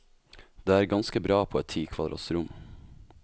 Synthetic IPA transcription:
d̪̥eːæːɾɡɑnskəbɾɑːpʰoːɛt̪ʰiːkʰʋɑd̪ɾɑ̰ːt̪sɾʊm

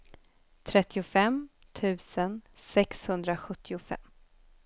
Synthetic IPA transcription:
t̪ʰɾɛt̪ːɪʊfɛmt̪ʰʉ̟ːsənsɛkshɵnd̪ɾaɧɵt̪ːɪʊfɛ̰mː

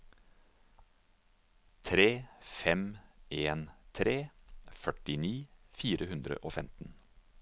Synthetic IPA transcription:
t̪ʰɾeːfɛmʔeːnt̪ʰɾeːfœʈɪniːfiːɾəhʉnd̪ɾə̰ʔoːfɛmt̪n̩

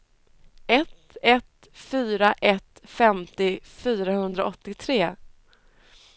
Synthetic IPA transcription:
ɛt̪ | ɛt̪ | fyːɾaʔɛt̪fɛmt̪ɪfyːɾahɵnd̪ɾaʔɔt̪ːɪt̪ʰɾeː

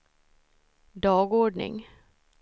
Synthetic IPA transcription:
d̪ɑːɡɔːɖɳɪ̰ŋ

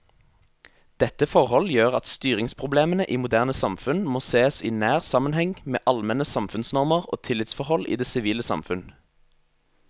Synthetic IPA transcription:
d̪̥ɛt̪əfɔʁhɔljøːʁɑt̪st̪yːʁɪŋspʰʁʊbleːmənəʔiːmʊd̪æːʁnəsɑmfʉnmoːseːsiːnæːʁsɑmənhɛŋmḛːʔɑlmɛnəsɑmfʉnsnɔʁməʁo̰ːt̪ʰɪlɪt̪sfɔʁhɔlḭːd̪eːsɪʋiːləsɑ̰mfʉn

